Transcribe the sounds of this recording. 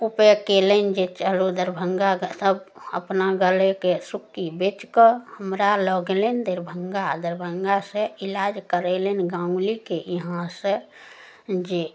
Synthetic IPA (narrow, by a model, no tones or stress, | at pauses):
upekelend͡ʒet͡ʃəɦlod̪əɾbʱəŋɡaɡsəbə̰pnaɡəlekesukːibet͡ʃkəhəmɾaləɡelend̪eɾbʱəŋɡad̪əɾbʱəŋɡasə̃ilad͡ʒkəɾɛlenɡãũlikeiɦãsə̃ | d͡ʒe